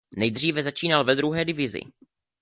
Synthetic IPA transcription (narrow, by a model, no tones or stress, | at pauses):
nɛjd̪r̝iːvɛzat͡ʃiːnalvɛd̪ɾuɦɛːdɪvɪzɪ̰